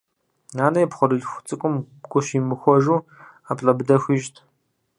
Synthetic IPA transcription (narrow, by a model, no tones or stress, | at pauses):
naːnɐjpχʷɔɾɨɮxʷt͡sʼɨkʷʼʊm | ɡʷʼʊʃimɨxʷɔʒuː | apʼɬʼɐbdɐxʷiːʒtʰ